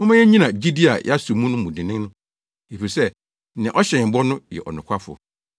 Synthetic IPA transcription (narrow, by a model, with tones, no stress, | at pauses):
ʊ˦mã˦ɛ˦ɲĩ˦nã˨d͡ʑi˦di˦a̰˨ja˦su˨mũ˦nʊ̃˦mũ˨dɪ̃˨nɪ̃˦nʊ̃˦ | e˨fi˨sɛ˦˨ | nɪ̃˨ʔɔ˦ɕɛ̃˨m̩˨bɔ˦nʊ̃˦jɛ̰˨ʔɔ̰˨nʊ̃˨kʷʰa˦fʊ̰˨ɔ˨